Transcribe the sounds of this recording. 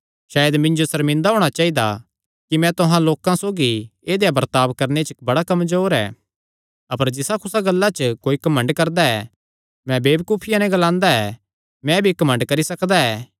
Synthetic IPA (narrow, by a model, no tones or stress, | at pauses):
ʃaːjəd̪mɪ̃nd͡ʒosɐɾmɪ̃nd̪aɦoːɽ̃at͡ʃaːid̪a | kimɛ̃t̪ʊɦãloːkãsoːɡieːd̪ejabɐɾt̪aːʋkɐɾnet͡ʃbɐɽakɐmzoːɾɛ̰ː | ɐpəɾd͡ʒɪsakʰʊsaɡɐlːat͡ʃəkoːikɐmɐ̃ɳɖkɐɾd̪aɛ | mɛ̃beːbkuːpʰɪjãnɛ̃ɡɐlãːnd̪aɛ | mɛ̃bʱikɐmə̃ɳɖkɐɾisɐkd̪aɛː